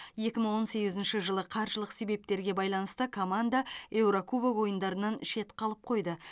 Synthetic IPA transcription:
je̞kʲɪməɴwo̞nse̞ɡʲɪzɪnʃɪʒəlˠəqʰɑɾʒəlˠəqse̞be̞p̚t̪e̞ɾɡʲe̞bɑjlˠɑnəst̪əkʰo̞mand̪ae̞wɾokʰubowo̞jənd̪ɑɾənɑnʃe̞t̪qʰɑlˠəp̚qʰo̞jd̪ə

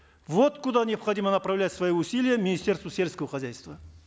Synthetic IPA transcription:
vo̞t̪kʊd̪anʲɪjɐpχɐd̪ʲimənɐpɾɐvlʲætʲsvɐjiʊsʲilʲɪjəmʲɪnʲɪsʲt̪ʲe̞rst̪vəsʲe̞lʲskəvəχɐzʲæjst̪və

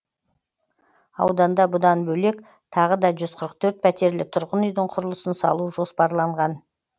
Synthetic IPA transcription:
ɑ̰wd̪ɑnd̪ɑbʊd̪ɑnbɵle̞k | t̪ʰɑʁəd̪ɑʒʏzqʰəɾəq̚t̪ʰɵɾt̪̚pʰæt̪e̞ɾlɪt̪ʰʊɾʁənʏjd̪ɪɴqʰʊɾəlˠəsənsɑ̰lˠuʒo̞spɑɾlˠɑɴʁɑn

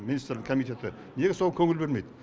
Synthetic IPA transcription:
minist̪ɾlɪkʰomijt̪e̞t̪ɪ | neɡʲɪsolˠkʰɵŋɪlbe̞ɾmejd̪

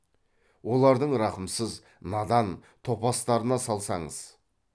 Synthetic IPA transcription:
wo̞lˠɑɾd̪əɴɾɑqəmsəz | nɑd̪ɑnt̪ʰo̞pɑst̪ɑɾənɑsɑlˠsɑɴəz̥

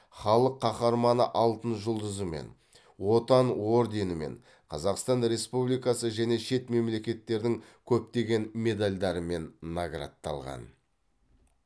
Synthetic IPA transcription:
χɑlˠəqʰːɑχɑɾmɑnəʔɑlˠt̪ənʒʊlˠd̪əzəme̞̰n | wo̞t̪ɑnwo̞ɾd̪e̞nɪme̞̰ɴ | qʰɑzɑqst̪ɑnɾe̞spublijkɑsəʒæne̞ʃe̞t̪me̞mle̞kʲe̞t̪ːe̞ɾd̪ɪŋkʲʰɵp̚t̪e̞ɡʲe̞nme̞d̪alʲd̪ɑɾəme̞nːaɡɾa̰t̪ːɑ̰lˠʁɑ̰n

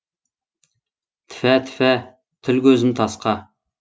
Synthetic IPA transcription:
t̪ʰɪ̥fæt̪ʰɪ̥fæ | t̪ʰɪlkʲʰɵzɪmt̪ʰɑsqɑ

